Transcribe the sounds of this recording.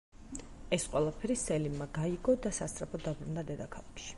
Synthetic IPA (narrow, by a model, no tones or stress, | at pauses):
ɛsqʼwɛlˠapʰɛɾisɛlimmaɡaiɡɔd̪asast̪ʼɾapʰɔd̪abɾund̪ad̪ɛd̪akʰalˠakʃi̥